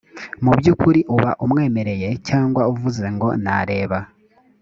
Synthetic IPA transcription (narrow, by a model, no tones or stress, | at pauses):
mubjukuɾiʔuβa̰ʔumŋe̞ːme̞ɾe̞je̞caːŋɡwauvuze̞ŋɡo̞̰naɾe̞ːβa